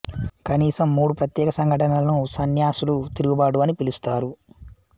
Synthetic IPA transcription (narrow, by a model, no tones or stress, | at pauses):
kɐniːsɐmːuːɽupɾɐt̪jɛːkɐsɐŋɡʱɐʈɐnɐlɐnusɐnjaːsulut̪iɾuɡubaːɽuʋɐnipilust̪aːɾu